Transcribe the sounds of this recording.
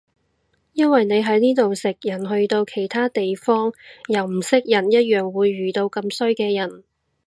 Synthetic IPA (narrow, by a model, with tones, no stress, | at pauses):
jɐ˥nwɐ˨jne˨˧jɦɐ˨˥jniː˥t̪o˨wsɪ˨˩k̚jɐ˨˩nɦɵ˧ɥt̪o˧wkʰe˨˩jt̪ʰaː˥t̪e˨jfɔː˥ŋjɐ˨˩wm̩˨˩sɪ˥k̚jɐ˨˩njɐ˥t̚jœː˨˩ŋwuː˨˧jːyː˨t̪o˧wkɐ˧msɵ˥ɥkɛː˧jɐ˨˩n